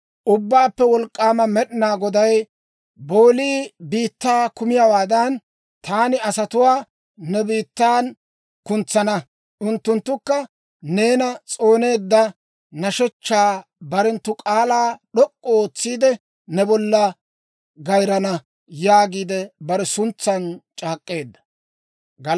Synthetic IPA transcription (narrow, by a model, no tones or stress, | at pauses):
ʔʊbːaːpːɛwɔlkʼːaːmɐmɛɗɪnaːɡɔd̪ɐj | bo̞ːliːbiːt̪ːaːkʊmɪjɐwaːd̪ɐn | t̪aːnɪɐsɐt̪ʊwaː | nɛbiːt̪ːaːn | kʊnt͡sːɐnɐ | ʔʊnt̪ːʊnt̪ːʊkːɐ | ne̞ːnɐt͡sʼo̞ːne̞ːd̪ːɐ | nɐʃɛt͡ʃːaːbɐɾɛnt̪ːʊkʼaːlaːɗɔkʼːɔoːt͡sːiːd̪ɛ | nɛbɔlːɐ | ɡɐjɾɐnɐ | jaːɡiːd̪ɛbɐɾɛsʊnt͡sːɐnt͡ʃʼaːkʼːe̞ːd̪ːɐ̥ | ɡɐ